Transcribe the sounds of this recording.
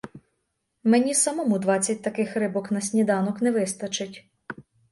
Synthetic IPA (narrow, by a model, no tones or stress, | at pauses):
menʲisɐmɔmud̪ʋɑt͡sʲːɐt̚ʲt̪ɐkɪxrɪbɔknɐsʲnʲid̪ɑnɔknɛʋɪst̪ɐt͡ʃɪtʲ